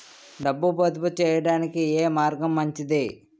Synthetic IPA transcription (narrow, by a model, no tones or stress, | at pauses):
ɖɐbːubɐd̪ɐbut͡ʃɛːjɐɽaːnikieːmaːɾɡɐmːɐɲt͡ʃid̪i